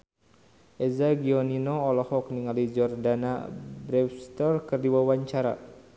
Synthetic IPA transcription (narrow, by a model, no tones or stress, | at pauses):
ʔɛzaɡiɔninoɔlɔhɔkniŋalid͡ʒɔrdana̰bɾɛwst̪ɔrkɨrdiwawaɲt͡ʃaɾa̰